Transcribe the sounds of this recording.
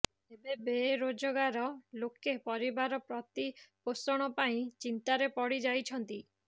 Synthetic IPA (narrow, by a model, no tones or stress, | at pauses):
ebebeɾod͡ʒɔɡaɾɔlokepɔɾibaɾɔpɾɔt̪iposɔɽ̃ɔpaĩt͡ʃint̪aɾepɔɽid͡ʒajt͡ʃʰɔnt̪i